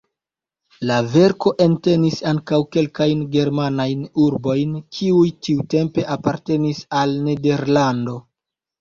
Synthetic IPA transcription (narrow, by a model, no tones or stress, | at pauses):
lave̞ɾko̞ʔente̞nisaŋkawke̞lkajnɡe̞ɾmanajnuɾbo̞jnkʰiujtiute̞mpe̞ʔapaɾte̞nisalne̞de̞ɾlando̞